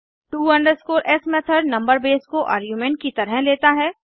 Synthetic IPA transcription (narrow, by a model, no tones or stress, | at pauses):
ʈuːɐ̃ɳɖəɾskoːɾʔɛsmɛt̪ʰəɾnɐ̃mbəɾbeːskoʔa̰ːɾɡjuːmẽːɳʈ̚kit̪ɐɾəɦleːt̪aɦɛː